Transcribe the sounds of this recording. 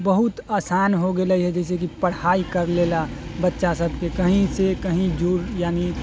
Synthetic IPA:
bəɦʊt̪aːsaːnɦoɡelaiɦɛd͡ʒɛːs̬ek̬ipəɽ̤haːikɐɾleːlabətːʃasəbʱkekɐɦĩsekəɦĩd͡ʒuɾjaːni

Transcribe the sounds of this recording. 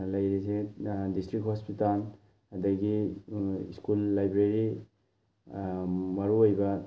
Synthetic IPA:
lɐjɾisedistɾik̚hospital | ɐdɐɡi | iskulːajbɾeɾi | mɐɾuojbɐ

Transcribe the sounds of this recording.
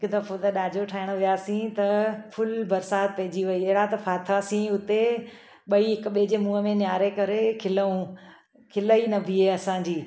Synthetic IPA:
ɦɪkʊd̪ɐfot̪ɐɗaːd͡ʑʱoʈʰaːɪɽ̃ʋɪjaːsĩt̪ɐfʰʊlbɐɾsaːt̪̚pɐɦɪd͡ʑiʋɐiɪɦɪɽat̪ɐfʰaːt̪ʰasĩʊt̪e | ɓɐiɦɪkɓed͡ʑemũːɦəmẽnjaːɾekɐɾekʰɪləũ | kʰɪləinɐbʱiɦeːɐsãɲd͡ʑiː

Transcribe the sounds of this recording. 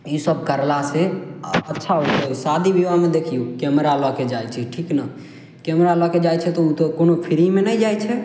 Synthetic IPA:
isəb̚kəɾlaseətːʃʰaoesad̪ʱibiʋamed̪ekʰijukɛmɾalɔked͡ʒajt͡ʃʰɛʈʰiknəɦ | kɛmɾalɔked͡ʒajt͡ʃʰɛt̪ɔut̪ɔkonopʰiɾimenɛjd͡ʒajt͡ʃʰɛ

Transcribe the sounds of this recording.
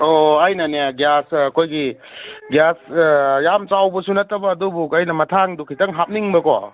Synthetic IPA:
oajnɐneaɡjasɐkʰojɡi | ɡjasjamt͡ʃawbɐsunɐtɐbɐːdubukɐjnɐmɐtʰaŋdukʰitɐŋɦap̚niŋbɐkɔ̰

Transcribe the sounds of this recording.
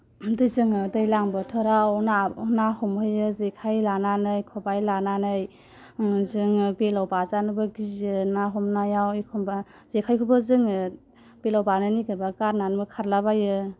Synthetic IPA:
dɯjzɯŋɯdɯjlaŋbɯtʰɯɾawnanahɔmhɯjɯzekʰajlananɯjkʰɔbajlananɯj | zɯŋbelawbazanɯbɯɡizɯnaɦɔmnajawijkʰɔmba | z̥ekʰajkʰubɯzɯŋɯ | b̥elawbanɯniɡɯbakaɾnanbɯkʰaɾlaβajɯ

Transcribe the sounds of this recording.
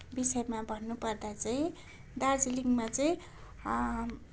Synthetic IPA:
bisʌjmabʱʌnːupʌrd̪at͡saĩ | d̪ard͡ziliŋmat͡sʌĩ

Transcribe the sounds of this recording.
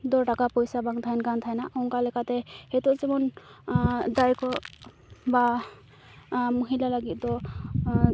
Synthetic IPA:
d̪ɔɹʈakapɔjsabaŋt̪ʰajnkant̪ʰajnaʔɔŋkalɛkat̪ɛhet̪ɔzɛmɔn | d̪ajkɔ | ba | muɦilalaɡit̪̚t̪ɔ

